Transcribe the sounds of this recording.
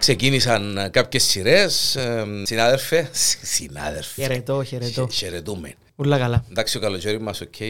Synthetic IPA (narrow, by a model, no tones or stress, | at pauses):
kse̞cinisɐnkapçesːiɾessinaðelfessina̰ðelfeeɾet̪oçeɾet̪oçeɾet̪umen | ulːɐkɐlɐnd̪ɐksiokɐlot͡ʃoɾimɐsocʰːe